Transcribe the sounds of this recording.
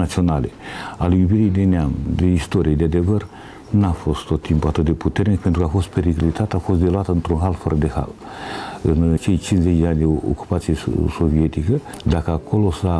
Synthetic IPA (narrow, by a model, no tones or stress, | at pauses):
nat̪sio̞nalealejubiɾijd̪e̞neamd̪eist̪oɾijed̪ead̪e̞vər | nafo̞st̪t̪ot̪ːʰimpuat̪ɨt̪̚d̪e̞put̪ernik̚pent̪ɾukafo̞st̪̚peɾiklit̪at̪eafo̞st̪d̪e̞loat̪əɨnt̪ɾunɦalfəɾəd̪eha̰l | ɨnt͡ʃe̞jt͡ʃinszet͡ʃd̪eanʲd̪eo̰ku̥pat̪sijeso̞viet̪ikə | d̪akəakʰo̞losa